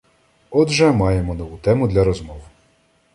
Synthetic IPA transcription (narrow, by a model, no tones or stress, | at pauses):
ɔd̪ʒɛmɑjemɔnɔʋut̪ɛmʊd̪lʲɐɾɔzmɔw